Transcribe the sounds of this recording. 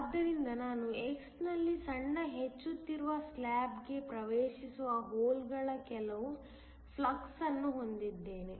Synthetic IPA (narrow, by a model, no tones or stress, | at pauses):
ɐd̪ːɐɾind̪ɐnaːnueksnɐlːisɐɳːɐɦet͡ʃːut̪ːiɾuʋɐslaːbɡe̞pɾɐʋeːʃisuʋɐɦoːlɡɐɭɐkɛlɐʋu | pʰlɐksɐnːuɦo̞nd̪id̪ːe̞ːne